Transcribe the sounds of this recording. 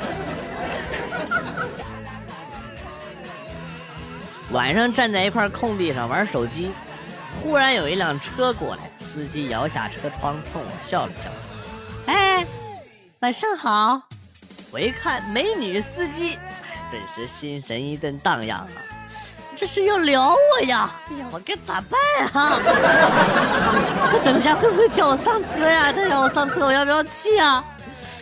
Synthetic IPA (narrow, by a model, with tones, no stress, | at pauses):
wa̰˨˩nʂɑ˥˧ŋʈ͡ʂa˥˧nt͡sa˥˩ɪi˧˥kʰwa˥˧kʰʊ˥˧ŋt̪i˥˧ʂɑ˥˩ŋwə˞˧˥ʂo˨˩ʊt͡ɕi˥ | xu˥ɻa˧˥njo˨˩ʊi˥ljɑ˨˩ŋʈ͡ʂʰɤ˥kwɔ̰˨˩la̰˧˥ɪsɹ̩˥t͡ɕi˥jɑ˧˥ʊɕja̰˥˩ʈ͡ʂʰɤ˥ʈ͡ʂʰwɑ˥ŋʈ͡ʂʰʊ˥˩ŋ̰˧˩ɕjɑ˥˩ʊlə˨˩ɕjɑ̰˥˩ʊ | e˥˩ɪ | ma˨˩nʂɑ˥˩ŋxɑ˨˩˦ʊ | xwe˧˥ɪkʰa˥˩nme˧˥ɪny˨˩sɹ̩˥t͡ɕi˥pə̰˨˩nʂɻ̩˧˥ɕi˥nʂə̰˧˥ni˥t̪ə˥˧nt̪ɑ̰˥˧ŋjɑ̰˥˩ŋɐ̰˩ʈ͡ʂɤ˥˧ʂɻ̩˥˧jo˥˩ʊljɑ˧˥ʊwɔ˨˩ja˨˩˨ | wɔ˨˩ka˧˥ɪt͡sa̰˨˩pa˥˩n˨˩ | nʰa˥˩t̪ɤ˨˩ŋɕ̬ja˥xwe˥˧bxwe˥˧ɪt͡ɕjɑ˥˩ʊwɔ˨˩sɑ˥˩ŋt͡sʰɤ˥ja˥˧t̪a˥˧t͡ɕjʊwɔ˨˩˦sɑ˥˧ŋt͡sʰɤ˥wɔ˨˩jpjɑ˥ʊt͡ɕʰi˥˩ja˩